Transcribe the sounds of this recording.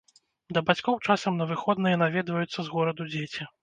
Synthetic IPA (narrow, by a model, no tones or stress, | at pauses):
d̪ɐbat͡sʲkɔwt͡ʂasɐmnɐvɨxɔd̪nɨjɐnavʲɛd̪vɐjut̪sːɐzɣɔɾɐd̪ud͡zʲet͡sʲi